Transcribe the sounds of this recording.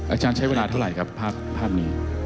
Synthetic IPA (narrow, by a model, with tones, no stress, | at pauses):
ʔaː˧t͡ɕaː˧nt͡ɕʰa˦˥jweː˧laː˧t̪ʰa˥˩wɾa˨˩jkʰa˦˥pʰːaː˥˩p̚ʰːaː˥˩p̚niː˦˥